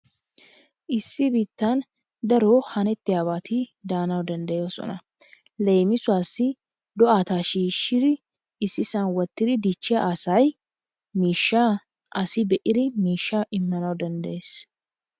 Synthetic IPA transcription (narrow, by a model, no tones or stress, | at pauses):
ʔɪsːɪbiːt̪ːan | d̪ɐɾoːhɐnɛt̪ːɪjaːβaːt̪id̪aːnɐwd̪ɐnd̪ɐjeosɔ̰nɐ | lejmɪsʊaːsːɪ | d̪ɔʔaːt̪aːʃiːʃːɪɾɪ | ɪsːɪsanwɔt̪ːɪd̪ɪd̪it͡ʃːɪaʔasɐj | miːʃːa | ʔɐsɪbɛʔɪɾɪmiːʃːaʔɪmːɐnɐwd̪ɐnd̪ɐʔeːs